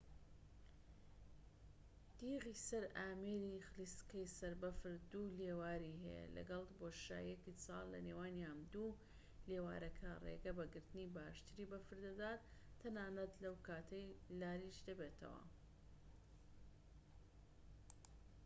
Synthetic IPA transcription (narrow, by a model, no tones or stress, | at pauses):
d̪̥iːɣiːsɐɾaːmeɾixɨliskɐjsɐɾbɐfɨɾd̪uleːwaːɾiɦɛ̰jɛ̰lɐ̰ɡɐlˠboːʃa̰ːjekisɑ̰ːlˠːɐ̰neːwaːnjaːmd̪u | leːwa̰ːɾɐkʰɐrḛɡɐbɐɡɨɾt̪ɨniːbaːʃt̪ɨɾiːbɐfɨɾd̪ɐd̪aːt̪ʰːɐnaːnɐt̪lɐwkaːt̪ʰɐjlaːɾiʃd̪ɐbeːt̪ʰɐ̰wɐ̰